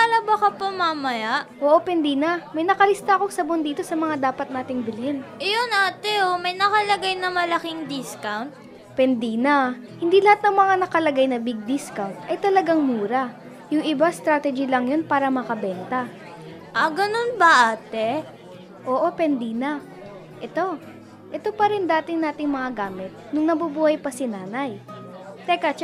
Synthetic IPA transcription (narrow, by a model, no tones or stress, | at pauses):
alɐbɐkɐpɐmamɐjaʔʔoːʔo̞pɛnd̪inɐmɐjnɐkɐlɪst̪aʔɐko̞ŋsɐbond̪iːt̪o̞sɐmɐŋad̪aːpɐt̪̚naːt̪ɪŋbɪlɪnʔjonʔaːt̪ɛomɐjnɐkɐlɐɡajnɐmɐlɐkɪŋd̪ɪskawnt̪̚ | pɛnd̪inɐ | hɪnd̪ilɐhat̪nɐŋmɐŋanɐkɐlɐɡajnɐbɪɡ̚d̪ɪskawnt̪ʔɐjt̪ɐlɐɡaŋmuːɾɐ | jʊŋʔɪbast̪ɾaːt̪ɛd͡ʒilɐŋjo̞npaːɾɐmɐkɐbɛnt̪ɐ | ʔɐɡɐnonbɐʔaːt̪ɛ | ʔoːʔo̞pɛnd̪inɐ | ʔɛt̪o̞ | ʔɛt̪o̞pɐɾɛnd̪aːt̪ɪŋnaːt̪ɪŋmɐŋaɡaːmɪt̪̚nʊŋnɐbubuːhɐjpɐsɪnaːnɐjt̪ɛkat͡ʃ